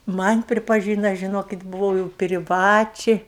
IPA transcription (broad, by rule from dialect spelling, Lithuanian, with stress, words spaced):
ˈmɐnʲ pʲrʲɪpɐˈʒʲiːnɐ ʒʲɪˈnoːkʲɪt bʊˈʋɐʊ jɛʊ pʲrʲɪˈʋɑːt͡ʃʲɛɪ